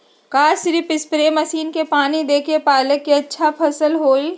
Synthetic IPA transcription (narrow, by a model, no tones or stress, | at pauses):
kaːsɪɾipɪspɾeːmɐsiːnkepaːnid̪eːkepaːləkːiɐtːʃʰapʰɐsəlɦoːi